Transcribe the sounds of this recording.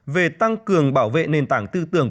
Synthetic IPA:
ve˨˩t̪a˧ŋkɨ˨˩əŋɓaː˧˩wvḛ˧˨ne˨˩nt̪aː˧˦ŋt̪ɨ˧t̪ɨ˧˩əŋ

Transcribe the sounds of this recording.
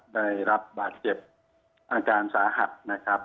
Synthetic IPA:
da˥˩jɾa˦˥p̚baː˨˩t̪̚t͡ɕe˨˩p̚ | ʔaː˧kaː˧nsaː˩˦ɦa˨˩t̪̚na˦˥kʰɾa˦˥p̚

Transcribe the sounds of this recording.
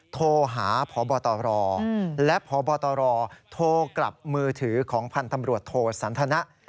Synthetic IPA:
t̪ʰoː˧ɦaː˩˦pʰɔː˩˦bɔː˧t̪ɔː˧ɾɔː˧lɛ˦˥ʔpʰɔː˩˦bɔː˧t̪ɔː˧ɾɔː˧t̪ʰoː˧kla̰˨˩p̚mɯː˧t̪ʰɯː˩˦kʰɔː˩˦ŋpʰa˧nt̪a˧mɾu˨˩ət̪ʰoː˧sa˩˦nt̪ʰa˧na˦˥ʔ

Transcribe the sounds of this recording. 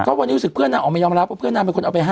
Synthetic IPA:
kɔː˦˥˩wa˧nːiː˦˥ɾu˦˥sɯ˨˩pʰɯ˥˩ənaː˧˨ʔːkma˥˩jɔː˧mɾa˦˥p̚wa˥˩pʰɯ˥˩ənːaː˧˩pe˧kʰo˧nʔa˨˧˩pa˧jɦaː˥

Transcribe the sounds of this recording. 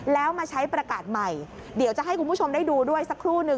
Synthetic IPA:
lɛː˦˥wmaː˧t͡ɕʰa˦˥jpɾa˧kaː˨˩t̪̚ma˨˩j | di˩˦wt͡ɕa˨˩ʔɦa˥˩jkʰu˧npu˥˩o˧mda˥˩jduː˧du˥˩əjsa˨˦kʰːɾuː˥˩nɯ˧

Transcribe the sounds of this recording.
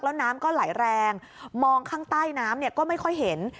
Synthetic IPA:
k̚lɛ˦˥wnaː˦˥mkɔː˥˩la˩˦jɾɛː˧ŋ | mɔː˧ŋkʰaː˥˩ŋt̪aː˥˩jnaː˦˥mni˥˩ɐkɔː˥˩ma˥˩jkʰɔ˥˩jɦe˨˩˦n

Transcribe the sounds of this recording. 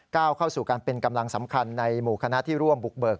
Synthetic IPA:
kaː˥˩wkʰa˥˩wsuː˨˩kaː˧npe˧nka˧mla˧ŋsa˩˦mkʰa˧nːa˧jmuː˨˩kʰa˧na˦˥ʔt̪ʰiː˥˩ɾu˥˩əmbu˨˩k̚bɤː˨˩k̚

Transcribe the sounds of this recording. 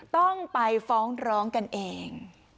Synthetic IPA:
t̪ɔ˥˩ŋpa˧jfɔː˦˥ŋɾɔː˦˥ŋka˧nʔeː˧ŋ

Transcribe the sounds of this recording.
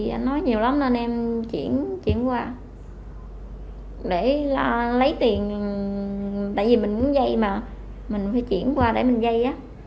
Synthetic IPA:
ʔa˧nːɔ˨˦jɲi˨˩əwla˨˦mnə˧nʔɛ˧mt͡ɕḭ˧˩ənt͡ɕḭ˧˩ənkwaː˧ | ɗe˧˩la˨˩lə˨˦jt̪i˨˩ən˨˩ | t̪a̰ː˧˨jvi˨˩mï˨˩ŋ̟mu˨˧˦ənzə˧jmaː˨˩ | mï˨˩ŋ̟faː˧˦jt͡ɕḭ˧˩˨ənkwaː˧ɗe˧˩mï˨˩ŋzə˧jʔaː˨˦

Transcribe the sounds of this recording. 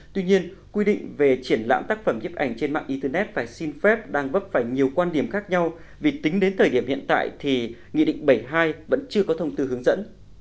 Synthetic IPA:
t̪wi˧ɲi˧ən | kwi˧ɗḭ̈˧˨ŋ̟ve˨˩t͡ɕi˧˩ənla̰ː˧˥mt̪aː˦˥k̚fə˧˩mɲi˦˥əp̚ʔa˧˩jŋ̟t͡ɕe˧nma̰ː˧˨nʔi˧t̪əː˧nɛ˦˥t̚faː˧˩jsi˧nfɛ˦˥p̚ɗaː˧ŋvə˦˥p̚faː˧˩jɲi˨˩əwkwaː˧nɗi˧˩əmxaː˦˥k̚ɲa˧w | vi˨˩t̪ï˨˦ŋ̟ɗe˨˦nt̪ʰəː˨˩ɗi˧˩əmhḭ˧˨ənt̪a̰ː˧˨jt̪ʰi˨˩ŋḭ˧˨ɗḭ˧˨ŋ̟ɓə˧˩jɦaː˧jvə̰˧˥nt͡ɕɨ˧əkɔ˨˦t̪ʰə˧wŋ͡mt̪ɨ˧ɦɨ˨˦əŋzə̰˧˥n

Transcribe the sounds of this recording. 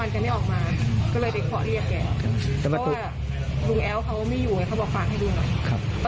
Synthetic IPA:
a˧nt͡ɕa˨˩ma˥˩jʔɔː˨˩k̚maː˧kɔː˥˩lɤː˧jda˥˩jkʰɔ̰˦˥ɾi˥˩ək̚kɛː˨˩˧t̪ɛː˨˩wa˧˥waː˧˩ | lu˧ŋʔɛː˨˦˥wkʰa˦˥wmiː˧˥˩juː˨˩kɛː˧˨˩kʰa˦˩wbɔː˨˩kfaː˨˩k̚ha˥˩jduː˧˩nɔ˨˩jkʰa˦˥p̚

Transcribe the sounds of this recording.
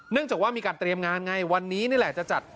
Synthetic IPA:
nɯ˥˩əŋt͡ɕaː˨˩k̚waː˥˩miː˧kaː˧nt̪ɾi˧əmŋaː˧nŋa˧˩jwa˧nːiː˦˥niː˥˩lɛ˨˩t͡ɕa˨˩t͡ɕa˨˩t̪̚

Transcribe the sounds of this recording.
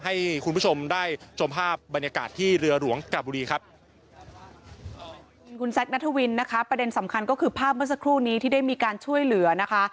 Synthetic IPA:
ɦa˥˩jkʰu˧npʰt͡ɕʰo˧mdaː˥˩jt͡ɕʰo˧mpʰaː˥˩p̚ba˧njaː˧ka̰ː˨˩t̪ʰːiː˥˩ɾɯ˧ɐɾu˩˦əŋka˨˧bu˧ɾiː˧kʰa˦˥p̚ | u˧nkʰu˧nsɛ˦˥k̚na˦˥t̪ʰːa˧wi˧nːa˦˥kʰa˦˥pɾa˧de˧nsa˩˦mkʰa˧nkɔː˥˩kʰɯː˧pʰaː˥˩p̚mɯ˥˩s̬a˧˥kʰɾuː˥˩niː˦˥t̪ʰiː˥˩da˥˩jmiː˧kaː˧nt͡ɕʰu˥˩əjlɯ˩˦ɐna˦˥kʰa˦˥

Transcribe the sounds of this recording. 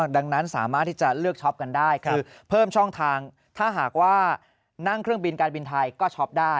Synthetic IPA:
da˧ŋna˦˥nsaː˩˦maː˥˩t̪ʰːi˥˩t͡ɕa˨˩lɯ˥˩ək̚t͡ɕʰɔ˦˥p̚ka˧ndaː˥˩jkʰɯː˧ | pʰɤː˥˩mt͡ɕʰɔ˥˩ŋt̪ʰaː˧ŋ | t̪ʰaː˥˩ɦaː˨˩k̚waː˥˩ | na˥˩ŋkʰɾɯ˥˩əŋbi˧nkaː˧nbi˧nt̪ʰa˧jkɔː˥˩t͡ɕʰɔ˦˥p̚daː˥˩

